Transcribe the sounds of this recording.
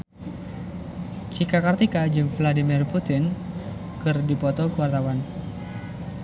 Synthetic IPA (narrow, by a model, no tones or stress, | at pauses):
t͡ʃikakart̪ikad͡ʒɨŋvladimɪrput̪ɪn | kɨrdipɔt̪ɔkuwart̪awan